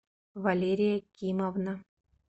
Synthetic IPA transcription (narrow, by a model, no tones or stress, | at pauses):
valʲeɾʲijakʲimovna